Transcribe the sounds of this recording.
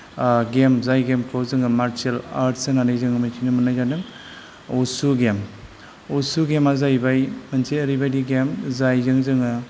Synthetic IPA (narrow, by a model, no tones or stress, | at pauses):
ɡemzajɡemkʰawzɯŋɯmaɾt͡ʃelaɾʈsɯnanajzɯŋɯmajkʰinɯmɯnajzanɯm | osuɡem | osuɡemazajbajmɐnseɐɾijbajdiɡemzajzɯŋzɯŋɯ